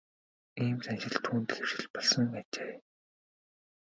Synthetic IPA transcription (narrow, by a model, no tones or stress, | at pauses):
iːmsʰænʃɪ̆ɮt̪ʰuːnt̪ɘ̆xew̥ʃɪ̆ɮpɔɮsɞ̆ŋat͡ɕeː